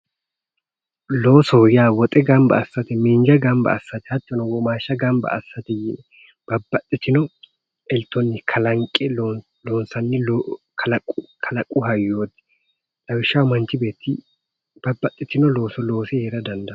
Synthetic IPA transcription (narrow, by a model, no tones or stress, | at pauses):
loːsɔjaːwɔt̪ʼɛɡɐmbɐ̰ɐsːɐt̪ɛmiːnd͡ʒɐɡɐmbɐ̰ɐsːɐt̪ɛhɐt̪ːɔnɔwɔmaːʃːɐɡɐmbɐ̰ɐ̰sːɐt̪ɛjɪnɛ | b̥ɐbːɐt̪ʼːɪt̪ɪnɔ | ɛlt̪ːɔnːɪkʰɐlɐŋkʼːɛ | loːnsɐnːɪ | kʰɐlɐkʼːʊkʰɐlɐkʼːʊɦɐjːoːd̪ɛ̥ | ᶑʼɐwɪʃːɐwmɐnt͡ʃːɪbe̞ːt̪ːɪ | b̥ɐbːɐt̪ʼːɪt̪ɪnɔlo̞ːsɔlo̞ːsɪheːɾɐd̪ɐnd̪ɐ